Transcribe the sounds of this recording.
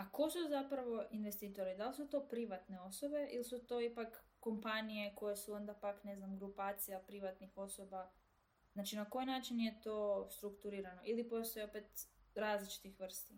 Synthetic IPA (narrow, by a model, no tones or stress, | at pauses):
ako̞suzapɾaʋo̞ʔinʋest̪iːt̪o̞ɾid̪alisut̪o̞pɾiʋat̪ne̞o̞so̞be̞ʔḭlsut̪o̞ipakː | o̞mpanijeko̞jesuo̞nd̪apakne̞znamɡɾupaːt̪sijapɾiʋat̪nixo̞so̞ba | znaːt͡ʃinako̞jnaːt͡ʃinje̞t̪o̞st̪ɾukt̪uɾiːɾano̞ʔilipo̞st̪o̞jeopet̪ɾaːzlit͡ʃi̥t̪ixʋr̩st̪i